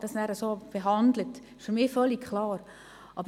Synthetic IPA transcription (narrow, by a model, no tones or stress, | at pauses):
d̥ɑsnæːɾəsoːb̥eɦɑnd̪lət | ɪʃfyɾmɪːfœlːikkʰlɑːɾ | ʔɑb